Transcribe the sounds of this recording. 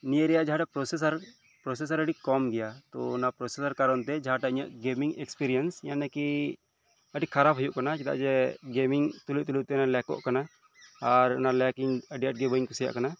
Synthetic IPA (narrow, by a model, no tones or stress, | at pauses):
nijəɾɛjaʔd͡ʒaɦaʈapɾɔsɛs̬aɾ | pɾɔs̬ɛs̬aɾəɖikɔmɡɛjat̪ɔnapɾɔsɛsaɾkaɾɔnt̪ɛd͡ʒaɦaʈaiɲaʔɡemiŋɛkspiɾijɛnsjanakɛ | əɖikʰaɾapɦujuʔkanat͡ʃɛt̪a̰ʔd͡ʒɛɡemiŋt̪uluʔ̚t̪ulut̪ɛnalɛkɔ̰ʔkana | aɾnalɛkiŋəɖijaʈ̚ɡɛbəiŋkusija̰ʔkana